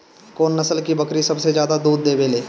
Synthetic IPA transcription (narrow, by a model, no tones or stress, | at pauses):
koːnːɐsəlkibɐkɾisɐbsed͡ʒjaːd̪ad̪uːd̪ːeːbeːleː